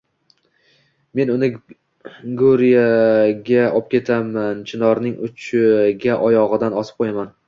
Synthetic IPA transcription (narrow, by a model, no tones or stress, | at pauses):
me̞nʊnɪ | ɡoɾjaɡʲaɒp̚kʲʰe̞t̪ʰamant͡ʃʰɪnɒɾnɪŋʊt͡ʃʰɪɡʲaʔɒjɒʁɨd̪anɒsɪp̚qʰojaman